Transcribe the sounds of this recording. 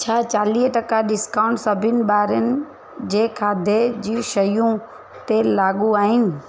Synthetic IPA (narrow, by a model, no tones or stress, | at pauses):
t͡ɕʰaːt͡ɕaːliːɦʈɐkaɗɪskaːʊɳʈsɐbʱɪnɪ̆ɓaːɾənɪ̆ | d͡ʑeːkʰaːd̪ʱed͡ʑiːʃɐjũ | t̪elaːɠuaːɦɪnɪ̆